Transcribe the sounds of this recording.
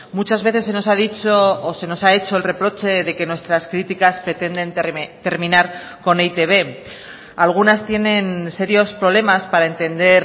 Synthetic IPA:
mut͡ʃazβe̞θe̞sːe̞no̞sað̞it͡ʃoːse̞no̞sae̞t͡ʃo̞e̞lre̞pɾo̞t͡ʃe̞ðe̞ke̞nwe̞st̪ɾaskɾit̪ikaspɾe̞t̪e̞nd̪e̞nt̪e̞ɾmĩnaɾ | ko̞nejt̪e̞βe̞ | alɣ̞unast̪je̞ne̞nse̞ɾjo̞spɾole̞maspaɾae̞nt̪e̞nd̪e̞ɾ

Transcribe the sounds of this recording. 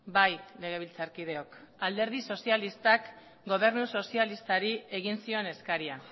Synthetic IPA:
bajle̞ɣ̞e̞β̞ilt͡saɾkið̞e̞o̞kald̪e̞ɾð̞iso̞sialist̪ak | ɡo̞β̞e̞ɾnuso̞sialist̪aɾie̞ɣ̞insio̞ne̞skaɾia

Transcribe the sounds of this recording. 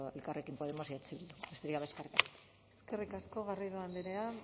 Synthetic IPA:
elkarekimpo̞ðemosiat͡siβild̪ubest̪eɾikaβaskarikat | eske̞rikasko̞ɣarijðoand̪iɾea

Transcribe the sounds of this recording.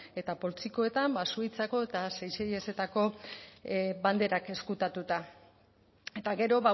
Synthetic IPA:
e̞t̪apo̞lt͡siko̞e̞t̪ambasuit͡sako̞e̞t̪asejseje̞se̞t̪ako̞ | band̪e̞ɾake̞skut̪at̪ut̪a | e̞t̪aɡe̞ɾo̞βa

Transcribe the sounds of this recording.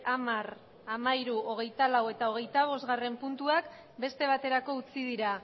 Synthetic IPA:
amar | amaiɾuoɣ̞e̞jt̪alawe̞t̪ao̞ɣ̞e̞jt̪aβ̞o̞zɣare̞mpunt̪uak | be̞st̪e̞β̞at̪e̞ɾako̞ut͡sið̞iɾa

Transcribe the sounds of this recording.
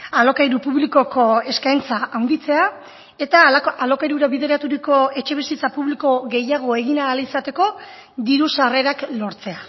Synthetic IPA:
alo̞kajɾupuβliko̞ko̞e̞skajnt͡saawnd̪it͡se̞a | e̞t̪aaalo̞kajɾuɾaβiðe̞ɾat̪uɾiko̞e̞t͡ʃe̞βisit͡sapuβliko̞ɣe̞jaɣ̞o̞e̞ɣinaːlisat̪e̞ko̞ | d̪iɾusare̞ɾaklo̞ɾt͡se̞a

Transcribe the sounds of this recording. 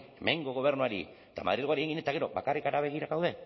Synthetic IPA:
eme̞ŋɡo̞ɣo̞β̞eɾnuaɾḭ | et̪amaðɾiðɣaɾieŋɡinet̪aɣe̞ɾobakarikaɾaβe̞ɣ̞iɾaɣawðe̞

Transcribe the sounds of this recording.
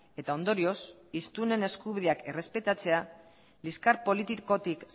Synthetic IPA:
e̞t̪ao̞nd̪o̞ɾio̞s | ist̪une̞ne̞skuβiðeake̞re̞spe̞t̪at͡se̞a | liskaɾpo̞lit̪iko̞t̪ik

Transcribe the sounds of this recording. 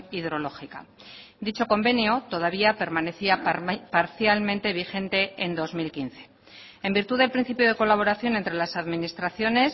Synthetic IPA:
iðɾo̞lo̞xika̰ | d̪it͡ʃo̞ko̞mbe̞njo̞t̪o̞ð̞aβ̞iape̞ɾmane̞θiapaɾθjalmẽnt̪e̞β̞ixẽ̞nt̪e̞end̪o̞zmilkin̟θe̞̥ | e̞mbiɾt̪uðe̞lpɾin̟θipjoð̞e̞ko̞laβ̞o̞ɾaθjo̞nent̪ɾe̞lasaðminist̪ɾaθjo̞ne̞s

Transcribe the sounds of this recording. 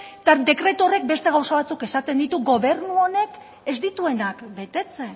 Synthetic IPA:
t̪ad̪e̞kɾe̞t̪uore̞k̚be̞st̪e̞ɣ̞awsoβat͡suke̞sat̪e̞nd̪it̪uɡo̞β̞e̞rnuo̞ne̞k | e̞zd̪it̪ue̞nakbe̞t̪e̞t͡sen

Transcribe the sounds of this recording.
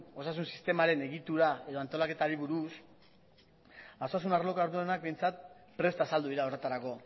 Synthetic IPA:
o̞sas̬unsist̪e̞maɾe̞ne̞ɣit̪uɾae̞ðo̞ant̪o̞lake̞t̪aɾiβuɾus | asasunarlo̞kaoɾðuenak̚be̞jnt͡sat̪̚pɾe̞st̪aːsald̪uðiɾaore̞t̪aɾako̞

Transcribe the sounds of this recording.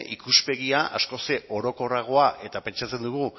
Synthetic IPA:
ʔikuspe̞ɣiaʔa̰sko̞se̞o̞ɾo̞ko̞raɣ̞o̞aʔe̞t̪ape̞nt͡ʃat͡se̞nd̪uɣu

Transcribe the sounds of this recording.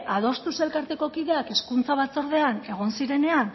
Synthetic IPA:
að̞o̞st̪use̞lkaɾt̪e̞ko̞kiðe̞ake̞skunt͡saβ̞at͡so̞ɾð̞e̞ane̞ɣ̞o̞nsiɾe̞ne̞an

